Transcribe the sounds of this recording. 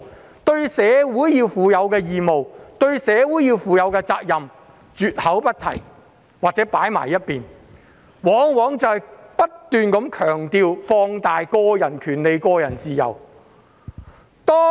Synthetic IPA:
t̪ɵ˧ɥsɛː˨˧wuː˨˥jjiː˧wfuː˨˧jɐ˨˧wkɛː˧jiː˨mo˨wt̪ɵ˧ɥsɛː˨˧wu˨˥jiː˧wfuː˨˧jɐ˨˧˥wkɛː˧t͡saː˧k̚jɐ˨m | t͡syː˨t̚hɐ˨˥wpɐ˥t̚t̪ʰɐ˨˩j | waː˨k̚t͡sɛː˨˥paː˨˥jma̰ː˨˩jːɐ˥t̚piː˨n | wɔː˨˥ŋwɔː˨˥ŋt͡sɐ˨hɐ˨jpɐ˥t̚t̪yː˨nkɐ˨˥mkʰœː˨˩ŋt̪iː˧wfɔː˧ŋt̪aː˨jkɔː˧jɐ˨˩nkʰyː˨˩nle˨˧jkɔː˧jɐ˨˩nt͡siː˨˧jɐ̰˨˩w | t̪ɔː˥

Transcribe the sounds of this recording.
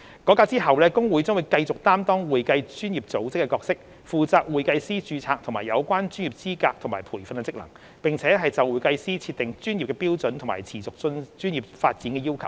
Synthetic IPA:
kɔː˨˥kaː˧t͡siː˥ɦɐ˨wlɛː˥kʊ˥ŋwuː˨˥jt͡sʊ˥ŋwu˨˧jkɐ˧jt͡sʊ˨k̚t̪aː˥mt̪ɔː˥ŋwuː˨jkɐ˧jt͡ʃyː˥njiː˨˩p̚t͡so˨˥wt͡sɪ˥kːɛː˧kɔː˧k̚sɪ˥k̚ | fuː˨t͡saː˧k̚wuː˨jkɐ˧jsiː˥t͡ʃyː˧t͡sʰaː˧k̚t̪ʰʊ˨˩ŋmaː˨˩jɐ̰˨˧wkʷaː˥nt͡ʃyː˥njiː˨˩p̚t͡siː˥kaː˧k̚t̪ʰʊ˨˩maː˨˩jpʰuː˨˩jfɐ˧nkɛ˧t͡sɪ˥k̚lɐ̰˨˩ŋ | pɪ˨ŋt͡sʰɛː˨˥ɦɐ˨jt͡sɐ˨wuː˨˧jkɐ˧jsiː˥t͡sʰiː˧t̪̚ɪ˨ŋt͡ʃyː˥nji˨p̚kɛː˧piː˥wt͡sɵ˨˥nt̪ʰʊ˨˩maː˨˩jt͡sʰiː˨˩t͡sʊ˨k̚t͡snt͡ʃyː˥njiː˨p̚faː˧t̚t͡siː˨˥nkɛː˧jiː˥wkʰɐ˨˩w

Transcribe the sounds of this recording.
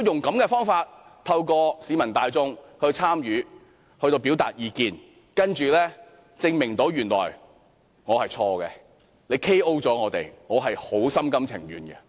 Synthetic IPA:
jʊ˨˩ŋkɐ˨˥mkɛː˧fɔː˥ŋfaː˧t̚ | t̪ʰɐ˧wkɔː˧siː˨˧˥mɐ˨˩nt̪aː˨˧jt͡sʊ˥ŋhɵ˧ɥt͡sʰaː˥mjyː˨˧ | hɵ˧t̪o˧wpi˨˥wt̪a̰ː˨t̚jiː˨˧kiː˧n | kɐ˥nt͡ʃyː˨lɛː˥ | t͡sɪ˧ŋmɪ˨˩ŋt̪o˨˥wjyː˨˩nlɔ̰ː˨˩j | ŋɔː˨˧hɐ˨jt͡sʰɔː˧ɡɛ˧ | le˨˧jkʰe˥ʔo˥wt͡sɔː˨˥ŋɔː˨˧t̪ḛ˨˩jŋɔː˨˧ɦɐ˨jho˨˥wsɐ˥mkɐ˥mt͡sʰɪ̰˨˩ŋɥyː˨nɡɛ̰˧

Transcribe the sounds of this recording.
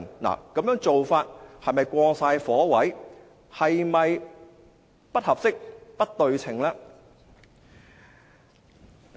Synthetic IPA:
nla̰ː˨˩kɐ˨˥mjœː˨˥ŋt͡so˨wfaː˧t̚hɐ˨jmɐ˨jkʷɔː˧ŋsaː˧jfɔː˨˥wɐ˨˥j | hɐ˨jmɐ˨j | pɐ˥t̚hɐ˨p̚sɪ˥k̚pɐ˥t̚t̪ɵ˧ɥt͡sʰɪ̰˨˩ŋlaː˥

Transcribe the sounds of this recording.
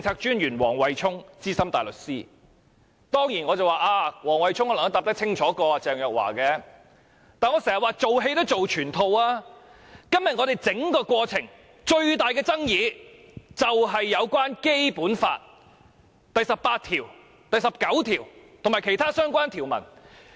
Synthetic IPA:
t͡sɪ˧ŋt͡sʰaː˧k̚t͡ʃyː˥nɥyː˨˩nwɔ̰ː˨˩ŋwɐ˨jt͡ʃʰʊ˥ŋt͡siː˥sɐ˥mt̪aː˨jlɵ˨t̚siː˥ | t̪ɔː˥ŋjiː˨˩nŋɔː˨˧t͡sɐ˨˩waː˨˩ʔaː˧wɔː˨˩ŋwɐ˨jt͡ʃʰʊ˥ŋɔ˧lŋtɐ˧˥t̪aː˨p̚t̪ɐ˥k̚t͡sʰɪ˥ŋt͡ʃʰɔː˨˥kɔː˧t͡sɛː˨ŋjœː˨k̚wa̰ː˨˩kɛː˧ | t̪aː˨nŋɔː˨˧sɛː˨˩jɐ˨waː˨t͡so˨wɦe˧jt̪o˥t͡so˨wt͡ʃʰyː˨˩nt̪ʰo˧waː˥ | kɐ˥mjɐ˨t̚ŋɔː˨˧ɾe˨jt͡sɪ˨˥ŋkɔː˧kʷɔː˧t͡sʰɪ˨˩ŋ | t͡ʃɵ˧ɥt̪aː˨jkɛː˧t͡sɐ˥ŋjiː˨˧ | t͡sɐ˨wɦɐ˨jːɐ˨˧wkʷwaː˥nke˥jpuː˨˥nfa̰ː˧t̚ | t̪ɐ˨jsɐ˨p̚pːaː˧t̚t̪ʰiː˨˩w | t̪ɐ˨jsɐ˨p̚kɐ˨˥wt̪ʰiː˨˩wt̪ʰʊ˨˩ŋmaː˨˩kʰe˨˩jt̪ʰaː˥sœː˥ŋkʷwaː˥nt̪ʰiː˨˩wmɐ̰˨˩n

